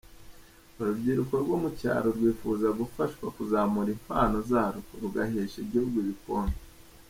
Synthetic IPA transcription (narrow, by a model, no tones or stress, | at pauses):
uɾubɟiːɾukoɾɡwomuca̰ːɾoɾɡwiːfuzaɡufaʃkwakuzamuɾimpaːnozaːɾuɾuɡaheːʃeɟiuɾɡwiβikoːno